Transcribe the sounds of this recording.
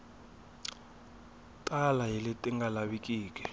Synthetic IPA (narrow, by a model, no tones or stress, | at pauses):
tʼalaɦilitʼiŋɡalaɓikiːk̬ʼɛ̥